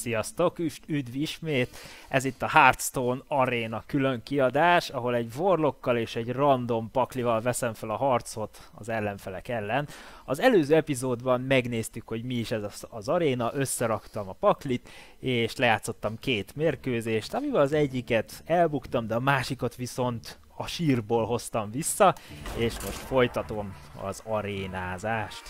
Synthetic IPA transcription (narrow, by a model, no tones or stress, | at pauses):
sijɒst̪o̞kyʃyd̪viʃmeːt̪ɛzit̪ːɒhart̪st̪oːnɒɾeːnɒkylø̞ŋkiɒd̪aːʃɒɦo̞lɛɟvorlo̞kːɒleːʃɛɟrɒnd̪o̞mpɒklivɒlvɛsɛɱfɛlɒɦɒrt̪sho̞t̪ | ɒ̰zɛlːɛɱfɛlɛkɛlːɛnɒzɛløːzøːɛpizoːd̪bɒmmɛɡn̪eːst̪ykho̞ɟmiiʃɛzɒzɒɾeːnɒʔø̞sːɛɾɒkt̪ɒmɒpɒklit̪ | eːʃlɛjaːt̪sːo̞t̪ːɒmkeːt̪meːrkøːzeːʃt̪ɒmivɛlɒzɛɟːikɛt̪ɛlbukt̪ɒmd̪ɛɒmaːʃikot̪ʋiso̞nt̪ | ɒʃiːrboːlɦo̞st̪ɒɱvisːɒeːʃmo̞ʃt̪fo̞jt̪ɒt̪o̞m | ɒ̰zɒɾeːnaːzaːʃt̪